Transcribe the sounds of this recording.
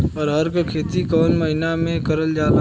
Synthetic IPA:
ɔːɾɦɐɾkakʰeːt̪ikɔːnmɐɦinamẽkɐɾəld͡ʒaːd̪a

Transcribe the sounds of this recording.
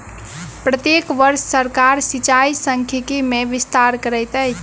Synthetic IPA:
pɾət̪jekʋəɾsːəɾkaɾsit͡ʃaisəŋkʰjəkimeʋist̪aɾkəɾəjt̪əjt͡ʃʰ

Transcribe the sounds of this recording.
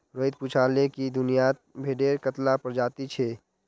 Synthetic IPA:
ɾoid̪̚put͡ʃʰalekid̪ʊnijat̪̚bʱeɖeɾkət̪lapəɾd͡ʒaːt̪it͡ʃʰɛ

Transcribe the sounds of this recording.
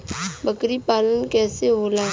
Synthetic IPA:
bəkɾipaːlənkɛːseɦoːlaː

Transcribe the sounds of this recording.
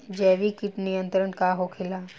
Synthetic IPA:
d͡ʒɛːʋikiʈnijə̃nt̪ɾəɳkaɦokʰɪlaː

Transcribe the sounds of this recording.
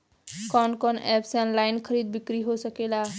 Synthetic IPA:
kɔnkɔnɛpseənlaɪnkʰəɾid̪̚bikɾiɦosəkela

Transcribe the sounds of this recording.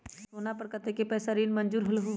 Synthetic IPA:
soːnapɐɾkət̪ekepɛːsaɾiːnmɐ̃nd͡ʒuːɾɦʊlɦuː

